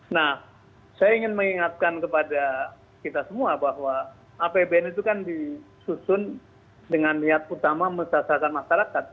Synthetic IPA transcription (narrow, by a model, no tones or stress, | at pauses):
nah | sajaiŋɪnməŋiŋat̪̚kankəpada | kit̪asəmuabaɦwaː | pebeɛnit̪̬ukandi | susʊn | dəŋanliɦat̪̚ut̪amaməsaasalkanmaʃaɾakat̪̚